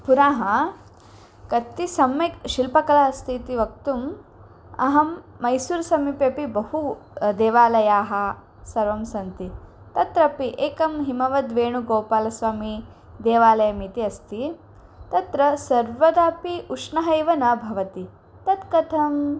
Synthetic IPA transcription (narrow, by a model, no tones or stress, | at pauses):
puɾaːɦɐ | kɐt̪ːisɐmːekʃilpɐkɐlaɐst̪ʰiːt̪iʋɐk̚t̪um | ɐ̰ɦɐmː | ɐjsuːɾsɐmipjɐpibɐhud̪eːʋaːlɐjaːɦɐ | sɐɾʋɐmsɐnt̪i | t̪ɐt̪ɾɐpiʔeːkɐmɦimɐʋɐd̪ʋeːɳuɡoːpaːlɐsʋaːmi | d̪eːʋaːlɐjɐmit̪iɐst̪i | t̪ɐt̪ɾɐsɐɾʋɐd̪aːpiuʂɳɐɦɐjʋɐnɐbʱɐʋɐt̪i | t̪ɐt̪kɐt̪ʰɐm